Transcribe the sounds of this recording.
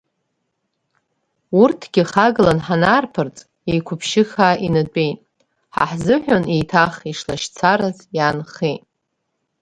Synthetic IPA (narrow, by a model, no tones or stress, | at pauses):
urtʰɡʲɪχaɡlanħanaːrpʰɨrt͡sʼ | ejkʷʰʊpʰʃɪxaːʔinadʷʼe̞jtʼ | ħa̰ħzɨħʷᶣonejtʰaχiʂlaʃt͡sʰaɾazjanχejtʼ